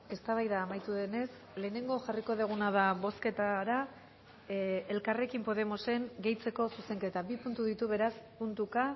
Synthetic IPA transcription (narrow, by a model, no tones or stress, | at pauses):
e̞st̪aβajðaːmajt̪uðe̞ne̞s | le̞ːne̞ŋɡo̞ʝariko̞ðeɣ̞unað̞aβo̞ske̞t̪aɾa | e̞lkare̞kimpo̞ð̞e̞mo̞se̞ŋɡe̞jt͡se̞ko̞suse̞ŋke̞t̪abipunt̪uðit̪uβe̞ɾaspunt̪uka